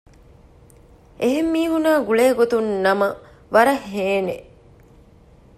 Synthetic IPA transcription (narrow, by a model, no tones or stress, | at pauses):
ʔeɦemːiːɦunaːɡuɭeːɡot̪unːɐmɐ | ʋɐɾɐheːne